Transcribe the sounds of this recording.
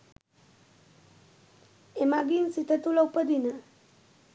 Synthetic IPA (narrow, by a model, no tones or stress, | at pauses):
emaɡinsit̪ət̪uləupəd̪ina